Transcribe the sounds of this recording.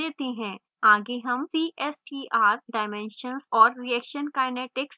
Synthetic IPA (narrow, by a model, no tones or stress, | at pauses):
eːt̪eɦɛ̃ː | aːɡeɦɐmsiːʔɛsʈiʔaːɾɖaːɪmɛ̃ːnʃənsɔːɾɾiɛːkʃənkaːjnɛːʈɪks